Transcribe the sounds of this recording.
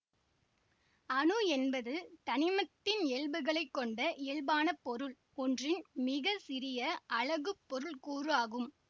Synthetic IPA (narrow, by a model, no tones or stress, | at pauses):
ɐnɯɛnbɐðɯt̪ɐnɪmɐt̪ːɪnɛɭbɯɣɐɭɐɪkːɔɳɖɐʔeɭbaːnɐpːɔɾɯɭ | ɔndrɪnmɪɣɐsɪrɪjɐʔɐɭɐɣɯpːɔɾɯɭkuːraːɣɯm